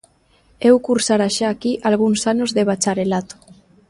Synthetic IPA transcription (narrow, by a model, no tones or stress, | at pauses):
ewkuɾsaɾaʃaːkiʔalɣ̞unsanozðeβat͡ʃaɾelat̪o̥